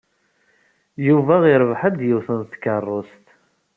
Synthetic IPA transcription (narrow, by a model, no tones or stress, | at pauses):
juvæʁiɾˤvħad̪jəwθənθkːərˤːost̪